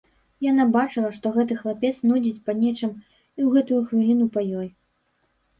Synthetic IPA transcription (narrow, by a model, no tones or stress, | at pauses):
janabat͡ʂɨlˠɐʂt̪ɔɣɛt̪̬ɨxlˠapʲɛt̪snɔjd͡zʲit͡sʲpɐnʲɛt͡ʂɨm | iwɣɛt̪ujuxvʲilʲinupajɔj